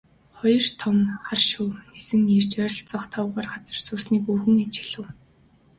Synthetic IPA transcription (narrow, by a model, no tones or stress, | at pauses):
χɔjɞ̆rt̪ʰɔmχarʃuwnesɘ̆ŋjert͡ɕœɾʲɞ̆ɬt͡sɔχt̪ʰɔːwʁɔːrɢat͡sə̆rsuːsniːkuːxɘ̆ŋet͡ɕɪ̥̆ɮɘ̆w